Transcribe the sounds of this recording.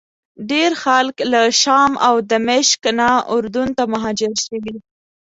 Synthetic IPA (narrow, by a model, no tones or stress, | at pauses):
ɖeɾxalklaʃɑmawd̪əmɪʃknaʊɾd̪unt̪amʊɦɑd͡ʒɪɾʃəwi